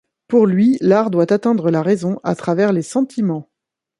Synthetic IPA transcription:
puʁlɥilaʁd̪wat̪at̪ɛ̃d̪ʁəlaʁezɔ̃ʔa̰t̪χavɛʁlesɑ̃t̪ʰimɑ̃

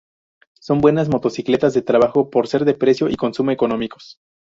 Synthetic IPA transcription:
so̞mbwe̞nazmo̞t̪o̞sikle̞t̪azðe̞t̪ɾaβ̞axo̞po̞ɾse̞ɾðe̞pɾe̞sjo̞ʔiko̞nsumoeko̞no̞miko̞̥

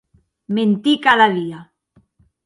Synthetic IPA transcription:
mẽnt̪ikaðaðia

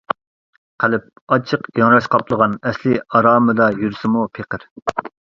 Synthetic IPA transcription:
qʰælɪp̚ | ɑt͡ʃʰəqjɑŋɾɑʃqʰɑpʰlˠəʁɑnɛslɪɑɾɑːmɨd̪ɑjyɾsɪmupʰeqəɾ

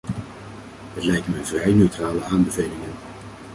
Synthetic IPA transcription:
ɦətlɛjk̚tmənvrɛjnøɥtraːləaːnbəvejlɪŋən

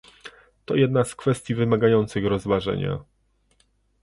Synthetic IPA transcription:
t̪ɔjɛd̪naskfɛst̪ʲjivɘmaɡajɔnt̪sɘxɾɔzvaʐɛ̰ɲa̰

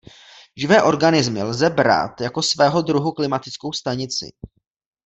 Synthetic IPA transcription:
ʒɪvɛːʔo̞ɾɡanɪzmɪlzɛbɾa̰ːt̪jako̞svɛːɦo̞d̪ɾuɦuklɪmat̪ɪt͡sko̞wst̪aɲɪt͡sɪ̰

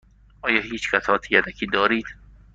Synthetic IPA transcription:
ʔɒːjɒːhiːt͡ʃkʰæsʰɒːt̪ʰijæd̪ækʰiːd̪ɒːɾiːd̪̥

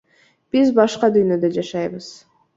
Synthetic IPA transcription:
b̥izbɑʃqɑd̪yjnø̞d̪ø̞d͡ʒɑʃɑjβɯz̥

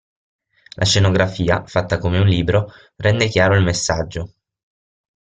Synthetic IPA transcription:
lʔaʃenoɡɾafiːafat̪ːakomeunliːbɾo | rʔɛnd̪ekjaːɾoilmesːad͡ʒːo

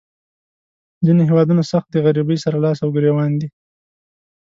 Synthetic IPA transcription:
zineɦewɑd̪unasaxt̪̚d̪əɣaɾibəjsaɾalɑsawɡɾewɑnd̪i

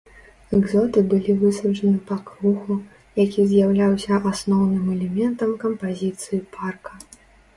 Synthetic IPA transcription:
ɛɡzɔt̪ɨbɨlʲivɨsɐt͡ʂɐnɨpɐkɾuxu | jakʲizʲjawlʲawsʲɐʔasnɔwnɨmɛlʲɛmʲɛnt̪ɐmkɐmpazʲit̪sɨjipʰarkɐ

